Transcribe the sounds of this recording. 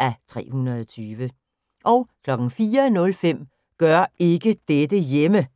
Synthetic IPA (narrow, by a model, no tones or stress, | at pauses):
ʔæt͡sʰʁɛ̰ːhunɐðˠɒt͡sʰyːʋə | ʔɒʊkʰlɒ̽ɡ̥n̩fiːɐnɔ̽lfem̰ | ɡ̥ɶɐ̰ʔe̝ɡ̥əd̥ed̥əjemə